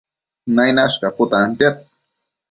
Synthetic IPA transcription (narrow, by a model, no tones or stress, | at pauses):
najnaʃkapʊt̪ant̪at̪̚